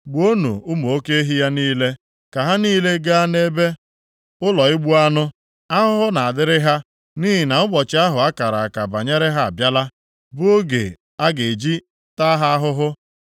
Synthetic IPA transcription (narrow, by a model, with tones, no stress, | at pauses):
ɡ͡bo˦nṵ˨ʊ˦m˨o˦ke˦ɦi˦ja˦niː˦le˦ | ka˨ɦa˦niː˦le˦ɡa˦a˦ne˦be˦ | ʊ˦lɔ˨ɪ˦ɡ͡bu˦a˦nʊ˦ | a˦ɦʊ˦ɦʊ˦na˨a˨dɪ˦ɾɪ˦ɦa˦ | ni˦ɦi˨na˨ʊ˦ɡ͡bɔ˨t͡ʃɪ˦a˦ɦʊ˨a˦ka˨ɾa˨a˨ka˨ba˨ɲe˦ɾɪ˦ɦa˦a̰˨bja˦la˦ | bʊ˦o˦ɡḛ˨ | a˦ɡe˨d͡ʒi˦ | ta˦ɦa˦ɦʊ˦ɦʊ˦